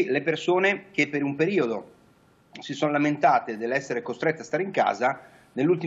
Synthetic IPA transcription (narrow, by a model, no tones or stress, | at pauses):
lepersoːnek̟epːeɾumpeɾiːod̪o | sisonolament̪aːt̪ed̪elːɛsːeɾekost̪ɾet̪ːeast̪aɾeiŋka̰ːza | nelːult̪̬i